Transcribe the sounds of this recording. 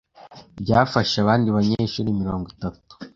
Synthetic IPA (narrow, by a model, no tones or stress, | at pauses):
bɟaːfaʃaβaːndiβaɲeːʃuːɾimiɾo̞ːŋɡitatu̥